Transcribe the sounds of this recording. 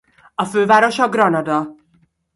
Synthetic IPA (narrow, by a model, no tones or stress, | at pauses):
ɒføːvaːɾoʃɒɡrɒnɒd̪ɒ